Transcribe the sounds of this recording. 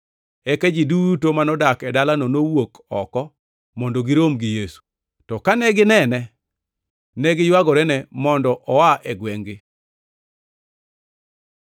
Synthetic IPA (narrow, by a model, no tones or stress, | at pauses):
ɛkɛd͡ʒidutomanɔdakɛdalanonowok | ɔkɔ | mɔndoɡɪɾomɡɪjesu̥ | tɔkanɛɡɪnɛnɛ | nɛɡɪjwaɡɔɾɛnɛmɔndɔʔɔwaʔɛɡwɛŋɡɪ